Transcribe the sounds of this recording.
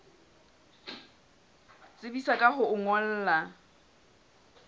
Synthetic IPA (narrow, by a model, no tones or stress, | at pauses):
t͡sʼɪbisakʼaɦʊʊŋɔl̩ːla